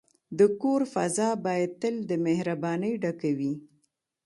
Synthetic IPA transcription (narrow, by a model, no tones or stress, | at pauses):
d̪əkoɾfa̰zɑbɑjad̪̚t̪əld̪əmehɾabɑnəjɖakawi